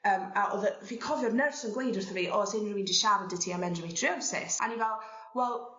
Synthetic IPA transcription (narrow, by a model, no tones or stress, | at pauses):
əːmaʔɔðəviːkʰɔvjɔrnərfsənɡlejdʊrθəviːʔɔsɪnrəwindiʃavədɪtʰiamɛndrəmitʰriɔnsɪ̰sa̰nivɛlˠ | wɛlˠ